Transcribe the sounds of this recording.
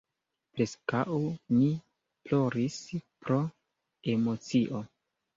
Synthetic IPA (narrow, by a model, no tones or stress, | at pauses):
pɾe̞skawni | plo̞ɾispɾo̞ | e̞mo̞t͡siʔo̞